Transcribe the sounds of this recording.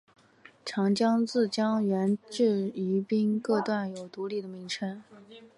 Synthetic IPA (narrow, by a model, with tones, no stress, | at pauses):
ʈ͡ʂʰɑ˧˥ŋt͡ɕjɑ˥ŋt͡sɹ̩˥˩t͡ɕjɑ˥ŋɥɛ˧˥nʈ͡ʂɻ̩˥˩y˧˥pi˥nkɤ˥˧t̪wa˥˩njo˨˩ʊt̪u˧˥li˥˩d̪ə˩mi˧˥ŋʈ͡ʂʰə˥n